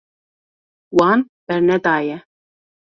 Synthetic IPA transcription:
wɑn | bɛɾnɛd̪aːjɛ

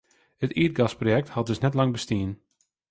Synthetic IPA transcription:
hətiət̚ɡɑsprojɛk̚thɑt̚dɵsnɛtlɑŋbəstiən

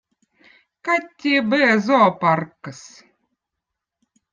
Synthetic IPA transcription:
kat̪ʲːibɨɛzɔːparkːəs

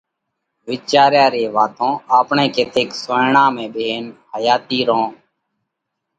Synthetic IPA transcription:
ʋɪːt͡ʃaːɾjaːɾeːʋaːt̪õːaːpɳẽːkeːt̪ʰɪːksoːɳãːmẽːɓeɦeːnhəjaːt̪iːɾõː

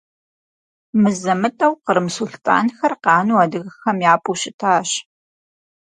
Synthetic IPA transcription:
mɨzɐmɨtʼɐwqəɾmɨsʊɬtʼa̰ːnxɐrqɑːnuːaːdɨɣɐxɐmjaːpʰʼuːɕɪtʰaːɕ

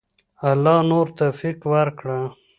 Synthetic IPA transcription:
alːɑnoɾt̪ofiqwaɾkɽa

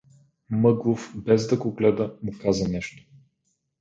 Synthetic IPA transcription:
mɤɡlˠofbɛzd̪ɐɡoɡlɛd̪əmʊkazənɛʃt̪o̥

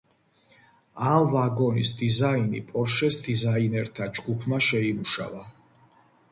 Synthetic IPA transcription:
amvaɡɔnisd̪izainḭpʼɔɾʃɛsd̪izainɛɾt̪ʰad͡ʒɡupʰmaʃɛimuʃa̰va

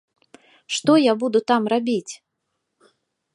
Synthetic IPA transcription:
ʂt̪ɔjabud̪ut̪amrabʲit͡sʲ

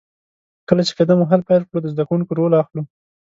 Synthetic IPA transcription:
kəlat͡ʃe̥fɪd̪amuɦalpajlkɽod̪əzd̪akuŋkoɾolaxlu

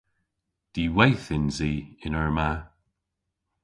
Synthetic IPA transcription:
d̪̥iːwejθɪnziːɪnəɹma

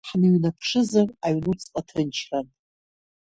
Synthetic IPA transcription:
ħnɨɥnapʰʂɨzaraɥnut͡sʼqʼatʰɨnt͡ʃʰran

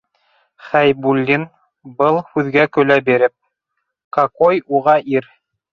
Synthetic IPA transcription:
χæjbulʲːin | bɤlˠhʉðɡækɵ̆læbiɾɘp̚ | kɑkojuʁɑʔiɾ

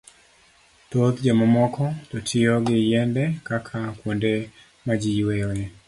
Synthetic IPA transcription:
tot̪d͡ʒamɔmɔkɔtɔtʰɪjɔɡɪjɛndɛkakʰakwonde | mad͡ʒiwejɔjɛ

